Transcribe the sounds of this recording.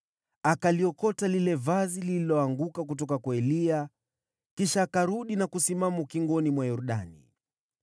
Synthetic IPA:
akaliɔkɔtalilɛvazilililɔaŋɡukak̬ut̬ɔkakwaɛlia | kiʃaːkaɾuɗinakusimamukiŋɡɔnimwajɔɾuɗa̰nḭ

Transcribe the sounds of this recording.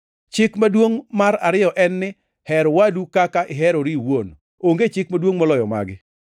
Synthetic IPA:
t͡ʃɪkmadwoŋmaɾaɾɪjɔʔɛnːɪ | hɛɾwadukakaʔɪɦɛɾoɾiwon | oŋɡet͡ʃɪkmadwoŋmɔlɔjɔma̰ɡɪ

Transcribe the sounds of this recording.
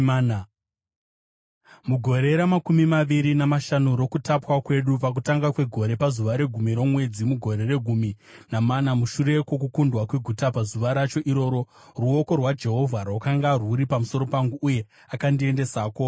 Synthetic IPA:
muɡʱo̞ɾe̞ɾamakumimaʋiɾinamaʃanoɾo̞kutapwakwe̞ɗupak̬utaŋɡakwe̞ɡʱo̞ɾe̞pazuʋaɾe̞ɡʱumiɾo̞mwe̞d͡zimuɡʱo̞ɾe̞re̞ɡʱumi | namanamuʃuɾe̞kwo̞k̬ukundwakwe̞ɡʱutapazuʋaɾat͡ʃo̞ʔiɾo̞ːɾo̞ | ruo̞ko̞rwad͡ʒe̞ɦo̞vʱaɾawakaŋɡaruɾipamuso̞ɾo̞paŋɡuʔːje̞ | akandie̞nde̞saːko

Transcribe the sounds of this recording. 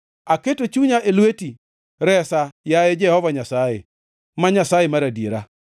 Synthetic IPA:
aketot͡ʃuɲaʔelweti | ɾɛsajajed͡ʒɛhɔvaɲasajḛ | maɲasajemaɾadieɾa

